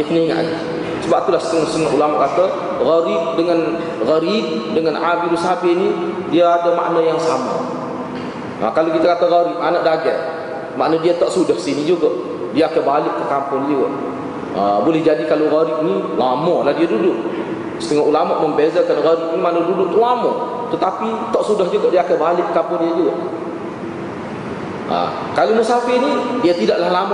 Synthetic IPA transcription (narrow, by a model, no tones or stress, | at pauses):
iəpəniŋa̰ʔa̰d͡ʒi | səbap̚t̪ulahsə̥t̪əŋəsəŋaʔulamaʔkat̪ə | ɣaɾiʔdəŋan | ɣəɾiʔdəŋanʔabidusabini | diaadəma̰ʔnəjaŋsamə̰ | ʔa̰kalokit̪əkat̪əɣaɾiʔmanəʔdaɡɛ | maʔnədiat̪ɔʔsudəksinid͡ʒuɡə | biaakəbalɪʔ̚kəkampʊnliwəʔ | ə̰bulɛhd͡ʒadikaloɣaɾiʔnilamɔlahdiadudʊʔ | sə̥t̪əŋɔʔulamaʔməmbezakalɣaɾiʔnimaʔnadudʊʔt̪əlamɔ | t̪ət̪apit̪ɔʔsudahd͡ʒuɡɔʔdiaakəbalɪʔkəkampʊndiad͡ʒuaʔ | a̰ | kalomusafɪnidiat̪idaʔlahlamɔ